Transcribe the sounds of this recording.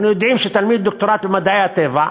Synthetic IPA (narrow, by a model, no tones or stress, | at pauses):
nujod̪imʃet̪almid̪ːok̚t̪oɾat̪bemad̪aeat̪eva